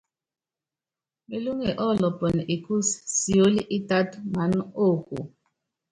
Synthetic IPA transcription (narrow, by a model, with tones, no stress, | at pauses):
me˨lu˦ŋe˨ʔɔ˦˨lɔ˨pɔ˨n˨ʔi˨ku˦ssi˨o˦li˦ʔi˦ta˦tma˨˦no˦˨kṵ˨